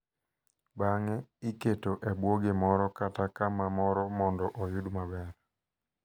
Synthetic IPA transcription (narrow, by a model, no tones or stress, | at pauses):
baŋɛiketoʔɛbwoɡemɔɾɔkatakamamɔɾɔmɔndɔʔɔjʊdmabɛɾ